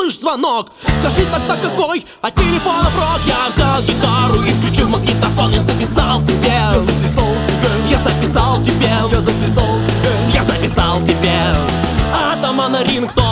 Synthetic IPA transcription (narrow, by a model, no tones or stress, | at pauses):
lˠɨʂzvɐnokskɐʐɨt̪ak̚t̪akːɐkoj | ɐtʲːɪlʲɪfonəpɾok̪javzʲaɡʲɪt̪aɾʊifklʲʉt͡ɕumɐɡlʲit̪ɐfonɪzəpʲɪsalˠtʲɪbʲezəpʲɪsalˠtʲɪbʲejazəpʲɪsalˠtʲɪbʲejazəpʲɪsalˠtʲɪbʲe | jazɐpʲɪsalˠtʲɪbʲe | at̪amanɐɾʲinkt̪o